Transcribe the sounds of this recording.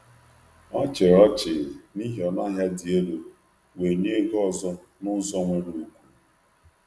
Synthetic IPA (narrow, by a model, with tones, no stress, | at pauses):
ɔ˦t͡ʃe˨ɾɔ˦t͡ʃɪ˨ni˦ɦi˨ɔ˨na˦ɦja˦di˨e˦do˨ | we˨ɲe˦ɡɔ˦zɔ˦ | nʊ˦zɔ˦ŋʷʊ˦ɾu˨u˨kʷu˦